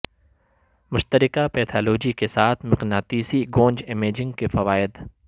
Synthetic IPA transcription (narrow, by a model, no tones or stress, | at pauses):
mʊʃt̪əɾɪkapɛːt̪ʰaːloːd͡ʒikesaːt̪ʰmɪqnaːt̪iːsiɡõːɲd͡ʒɪmeːd͡ʒɪ̃ŋɡ̚kefɐʋaːɪd̪